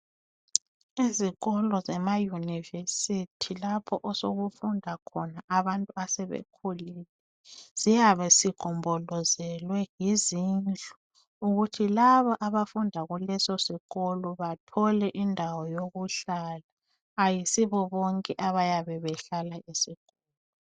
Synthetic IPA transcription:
iziɣɔlɔzɛmajunivesitʰilapʰɔʔɔsoɣufundʱakʰɔnaʔaβantʼuasɛβḛkʰulilɛ | z̥ijaβɛsiɡ̥ʱɔmbʱɔlɔzɛlwɛjizind͡ɮʱu̥ | uɣutʰilaβaʔaβafundʱaɣulɛsɔsiɣɔlɔβatʰɔlɛʔindʱawɔjoɣuɬalaː | jisiβɔβɔŋkʼɛʔaβajaβɛβɛɬalaisiɣɔːlɔ

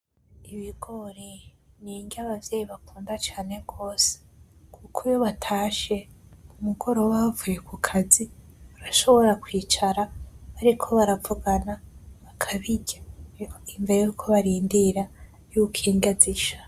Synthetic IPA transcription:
iβiɡ̥o̞ɾe | niːɲɟaβavje̞ːjiβakuːndat͡ʃaːne̞ɡ̥o̞ːse̥ | kʰukʰujo̞βatʰaːʃe̞umuɡo̞ɾo̞wavujekukʰaziβaɾaʃo̞βo̞ɾakwiːt͡ʃaɾaβaɾikʰo̞βaɾavuɡanaβakʰaβiɟaiɱvejukʰo̞βaɾiːndiɾa | jukʰiːŋɡaziʃḁ

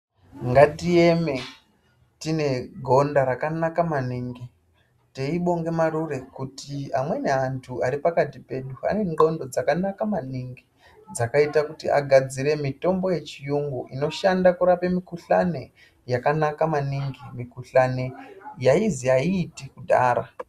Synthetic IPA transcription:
ŋɡatieme̞ | tine̞ɡʱo̞ndaɾakanakamaniŋɡi | teiɓo̞ŋɡe̞maɾure̞kutiamwe̞neantʰuaɾipakatipe̞ɗua̰ne̞ŋɡo̞ndo̞d͡zakanakamaniŋɡi | d͡zakaitakutḭʔa̰ɡʱad͡ziɾe̞mito̞mbo̞je̞t͡ʃijuŋɡuʔino̞ʃandakuɾape̞mikuɬane̞ | jakanakamaniŋɡimikuɬanejaiziaiːtikudʱa̰ːɾa̰

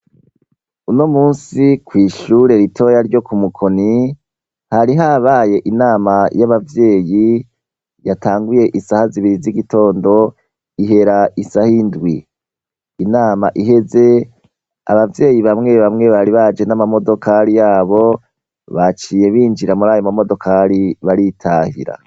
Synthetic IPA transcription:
unomuːnsikwiːʃuːɾe̞ɾitʰo̞jaɾɟo̞kumukʰo̞ni | haɾiɦaβaːje̞ʔinaːmajaβavje̞ːji | jataːŋɡuje̞ʔisahaziβiɾiziɡito̞ːndo̞ | iɦe̞ɾaisahindwiː | naːma̰ʔiɦe̞ze̞ | a̰βavje̞ːjiβamŋe̞βamŋe̞βaɾiβad͡ʒe̞namamo̞do̞kʰaɾijaːβo̞ | βat͡ʃiːje̞βiːnd͡ʒiɾamuɾaːjomamo̞do̞kʰaɾiβaɾitʰahḭɾa̰

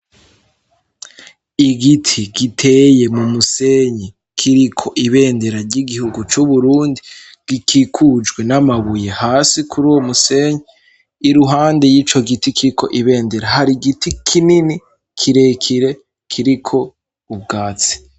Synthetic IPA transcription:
iɡitʰiɡitʰe̞je̞mumuse̞ɲe | kʰiɾikʰo̞ʔiβe̞ːnde̞ɾaɾɟiɡihuɡut͡ʃuβuɾuːndi | ɡ̥ikʰikʰud͡ʒɡwe̞namaβuje̞haːsikʰuɾuːwomuse̞ːɲieː | ɾuɦaːnde̞jiːt͡ʃo̞ɡitikʰiɾikʰo̞ʔiβe̞ːnde̞ɾahaɾiɡitʰikʰinini | kʰiɾe̞kʰiɾe̞ | kʰiɾikʰo̞ | ub̚ɡaːt͡si̥

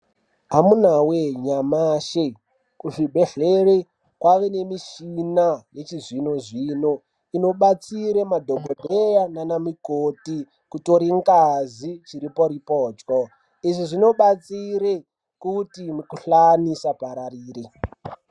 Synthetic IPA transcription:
ɦamunaweɲamaːʃe | kuʐibʱe̞ɮere | kwaʋe̞ne̞miʃinaje̞t͡ʃizino̞ʐiːno̞ | ino̞ɓat͡siɾemadʱoɡʱodʱejananamikoti | kutoɾiŋkazit͡ʃiɾipo̞ɾipoːd͡ʒko | iʐiʐino̞ɓat͡siɾe | kutimukuɬanisapaɾariːri

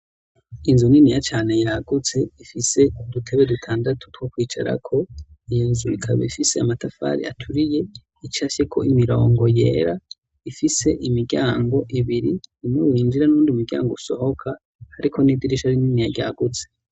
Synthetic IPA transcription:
inzuninijat͡ʃaːne̞jaːɡ̥ut͡se̞ifise̞dutʰeβedutʰaːndatʰu̥two̞kwiːt͡ʃa̰ɾa̰kʰo̞ijonzuikʰa̰βḛifise̞a̰matafa̰ːɾḭa̰tʰuɾije̞ | it͡ʃaʃe̞kʰo̞̰imiɾo̞ːŋɡojḛːɾa | ifise̞ʔimiɟaːŋɡo̞ʔiβiɾiimewiːnd͡ʒiɾanuːndiumiɡɟa̰ːŋɡouso̞ho̞kʰa | haɾikʰo̞nidiɾiʃhaɾininijaɟa̰ːɡut͡se̥

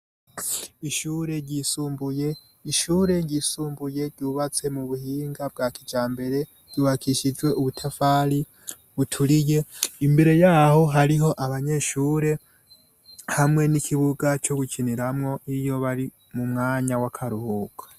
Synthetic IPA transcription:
iʃuːɾe̞ɟisuːmbuje̞ | iʃuːɾe̞ɟisuːmbuje̞ɾɟuːβat͡se̞muβuhiːŋɡab̚ɡaːkid͡ʒaːmbe̞ɾe̞ | ɾ̥ɟ̥uːβakʰiʃid͡ʒɡwe̞ʔuβutʰafaːli | βutʰuɾije̞imbe̞ɾe̞jaːho̞ɦaɾiɦo̞ʔaβaɲe̞ʃuːɾe̞ | hamŋe̞nikʰiβuɡat͡ʃo̞ɡucʰiniɾamŋo̞ʔijo̞βaɾi | mumŋaːɲawakʰaɾuhuːkʰḁ

